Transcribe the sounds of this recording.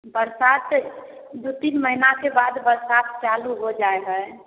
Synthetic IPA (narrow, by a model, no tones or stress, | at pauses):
bəɾsat̪ | d̪ut̪inməɦinakebad̪bəɾsat̪t͡ʃaluɦod͡ʒaeɦə